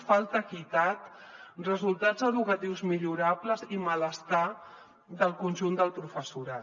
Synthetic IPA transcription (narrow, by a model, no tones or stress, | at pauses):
falˠt̪əkit̪at̪rəzulˠt̪ad͡zəðukət̪iwzmiʎuɾapləzimələst̪a | ðəlˠkunʲʒund̪əlˠpɾufəsuɾa